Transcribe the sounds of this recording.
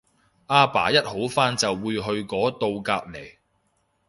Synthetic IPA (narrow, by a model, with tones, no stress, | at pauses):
ʔaː˧˥pa̰ː˨˩jɐ˥t̚ho˨˥wfaː˥nt͡sɐ˨wːuː˨˧jɦɵ˧ɥkɔː˨˥t̪o˧wkaː˧p̚le˨˩j